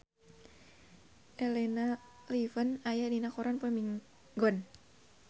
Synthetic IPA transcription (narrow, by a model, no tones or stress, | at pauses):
ʔɛlɛna | livənajadinakɔɾanpəmiŋ | ɡɔn